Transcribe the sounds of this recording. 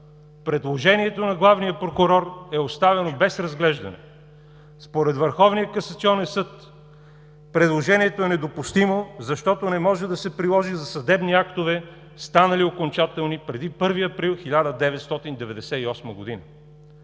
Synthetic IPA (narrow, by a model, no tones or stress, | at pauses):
pɾɛd̪lˠoʒɛniɛt̪onɐɡlˠavnijəpɾokʊɾɔɾɛost̪avɛnobɛsɾɐzɡlɛʒd̪ɐ̰nɛ̰ | spoɾɛd̪vəɾxɔvnijəkɐsɐt̪siɔnɛnsɤt̪ | pɾɛd̪lˠoʒɛniɛt̪oɛnɛd̪opʊst̪imozɐʃt̪ɔt̪onɛmɔʒɛd̪ɐsɛpɾilˠɔʒizɐsɐd̪ɛbniakt̪ovɛ | st̪anɐliokont͡ʃat̪ɛlˠnipɾɛd̪ipɤɾviɐpɾilˠxilʲad̪əd̪ɛvɛt̪st̪ɔt̪ind̪ɛvɛd̪ɛsɛiɔsməɡod̪inə̰